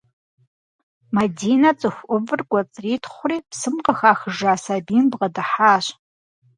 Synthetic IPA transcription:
madiːnat͡sʼɨxʷʔʊvɨrɡʷʼat͡sʼriːtʰχʷʊriːpʰsɨmqəxaːxəʐaːsabinbʁɐdɨħaːɕ

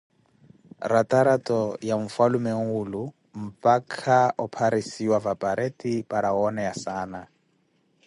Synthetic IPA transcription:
ratʼaɾatɔjaɱ̩falʊmɛŋ̩ʊlʊ | m̩pʼakʰaɔpʰaɾisiwavapʼaɾetʼipʼaɾaɔnɛjasaːna

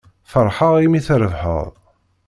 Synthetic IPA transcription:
fəɾˤħəʁimiθɾəvħə̰ðˤ

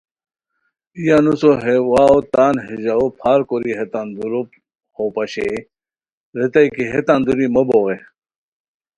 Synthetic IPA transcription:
ijanusoɦewaːot̪aːnɦiʑaopʰaːɾkoɾiɦet̪and̪uɾo | hopɐɕḛ | ɾet̪ɐikiɦet̪and̪uɾimɐboɣe

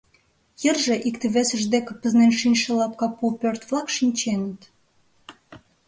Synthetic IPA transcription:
jərʒĕʔikt̪ĕβesə̆ʒd̪ekĕpə̆znenʃinʲʃə̆lɑp̚kɑpupørt̪vlɑkʃinʲt͡ɕenə̆t̪

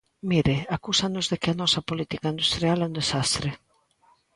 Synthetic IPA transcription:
miɾɪakusanʊzðɪkɪanɔsɐpolit̪ikaind̪ust̪ɾialɛund̪esast̪ɾɪ

